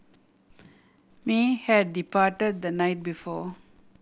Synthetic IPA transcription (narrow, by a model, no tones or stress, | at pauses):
mihɛɖːipaːʈəɖ̚d̪ənaɪʈ̚bifɔː